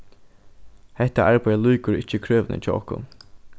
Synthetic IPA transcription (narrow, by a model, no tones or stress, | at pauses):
hɛht̪aʔaɹpajlujkʊɹɪt͡ʃːəkʰɹøːʋnə̰t͡ʃʰɔ̰ːɔ̰hkʊ̰n